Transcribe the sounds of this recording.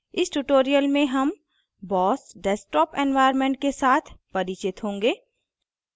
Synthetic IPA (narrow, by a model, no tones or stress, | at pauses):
ɪsʈuʈoːɾijəlmẽɦɐm | bɔːsɖɛːsʈɔːpɛ̃nʋaːɪəɾmẽɳʈ̚kesaːt̪ʰpɐɾit͡ʃɪt̪ɦõːŋɡeː